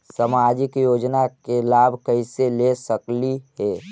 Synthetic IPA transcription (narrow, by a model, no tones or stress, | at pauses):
səmad͡ʒɪkjoːd͡ʒnakelaːbʱkəiselesəkliɦɛ